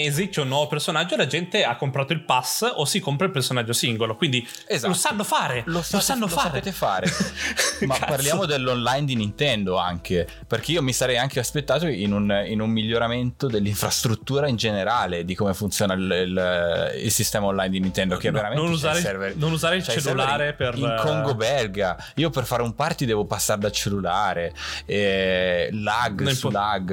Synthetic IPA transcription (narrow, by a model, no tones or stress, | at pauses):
ezist̪eunːwɔːvopersonad͡ʒːoelad͡ʒɛnt̪eakːompɾaːt̪oilpasosikompɾailpersonad͡ʒːosiŋɡolokwind̪i | ezalosanːofaːɾelososanːoloasapeːt̪efaːɾe | mappaɾrljaːmod̪elːonlajnd̪inint̪ɛnd̪oa̰ŋk̟e | perk̟eiːomisaɾɛjaŋk̟easpet̪ːaːt̪oinuninumːiʎːoɾament̪od̪elːiɱfɾast̪ɾut̪ːuːɾaind͡ʒeneɾaːled̪ikomefunt̪sjoːnallḭlsist̪ɛːmaonlajnd̪inint̪ɛnd̪okeɛvd̪veɾamẽnnuaɾesɛrvenonuzaːɾeilt͡ʃt͡ʃeslːulaːɾeperiŋkʰoŋɡobɛlɡa | iːoperfaɾumpart̪id̪ɛːvopasːaɾed̪alt͡ʃelːulaːɾeɛ | laɡsulːaɡ